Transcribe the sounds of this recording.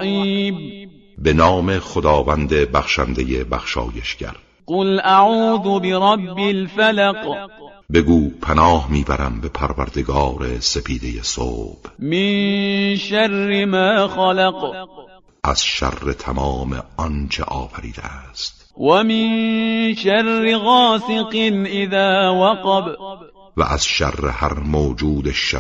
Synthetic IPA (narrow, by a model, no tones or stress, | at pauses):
iːb̚ | be̞nɒːmexod̪ɒːvænd̪ebæxʃænd̪e̞jebæxʃɒ̰ːje̞ʃɡ̥æ̰ɾ | qʊlʔaʕuːðʊbɪɾˤɑbːɪlfalaq | be̞ɡuːpʰænɒːhmiːbæɾæmbe̞pʰæɾvæɾd̪e̞ɡɒːɾe̞se̞pʰiːd̪e̞je̞so̰ːb̥mɪnʃarːɪmaːxɑlɑq | ʔæz̥ʃæ̰rːet̪ʰæmɑːmḛɒnt͡ʃʰḛʔɒːfæɾḭːd̪ḛʔæst̪wamɪnʃarːɪɣɑːsɨqnʔɪðaːwaqɑb | væ̰ʔæz̥ʃæ̰rːehæɾmoːd͡ʒuːd̪eʃa